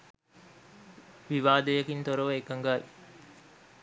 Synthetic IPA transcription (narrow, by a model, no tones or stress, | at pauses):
ʋiʋaːd̪ejɐkint̪oɾoʋəekɐŋɡaːʋi